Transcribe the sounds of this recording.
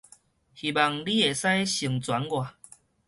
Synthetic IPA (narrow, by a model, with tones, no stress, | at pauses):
hi˨˩ba˨˩ŋli˦e˨sa˦jɕi˨˩ŋt͡swa˨˦nɡwa˨